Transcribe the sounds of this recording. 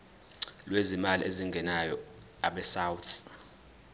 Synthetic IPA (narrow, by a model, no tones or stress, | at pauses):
lwezimaliʔeziŋɡʱɛnajɔ | aɓɛsawut̪ʰ